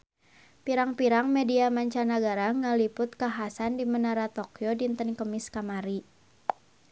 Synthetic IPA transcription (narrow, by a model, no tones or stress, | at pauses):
piɾaŋpiɾaŋmɛdiamaɲt͡ʃanaɡaɾaŋalipʊt̪̚kaɦasandimənaɾat̪okjodint̪ənkəmiskamaɾi